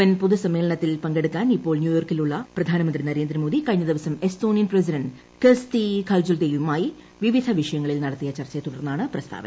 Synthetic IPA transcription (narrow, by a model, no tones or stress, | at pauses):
ʋɐnpuðusɐmːe̞ːlɐɳɐt̪ːilpɐŋɡeɽukːaːnipːo̞ːɭnjuːjo̞ːrkiluɭːɐprɐd̪ʱaːnɐmɐnd̪rinɐɾe̞ːnd̪ɾɐmoːd̪ikɐɻiɲːɐd̪iʋɐsɐme̞sto̞ːnijɐnprɐs̬iɾɐɳɖ | kest̪ikʰɐːld͡ʑuld̪ejumaːji | ʋiʋid̪ʱɐʋiʂɐjɐŋːɐɭilnɐɽɐt̪ːijɐt͡ɕɐrt͡ɕːɐt̪uɽɐrnːaːɳɨprɐst̪ʰa̰ːʋɐ̰nɐ